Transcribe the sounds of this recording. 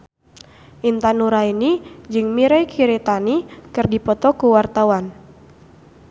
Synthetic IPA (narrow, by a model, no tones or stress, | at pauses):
ʔint̪anuɾainid͡ʒɨŋmiɾɛjkʰiɾet̪anikɨrdipɔt̪ɔkuwart̪awan